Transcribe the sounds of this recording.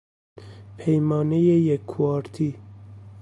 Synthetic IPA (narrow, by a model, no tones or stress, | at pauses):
pʰejmɑːnejejekʰːuɑːɾt̪ʰi